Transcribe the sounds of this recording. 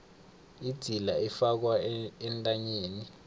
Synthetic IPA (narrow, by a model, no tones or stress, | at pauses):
id̥ʱilaɛfak̬waɛntʼaɲeːni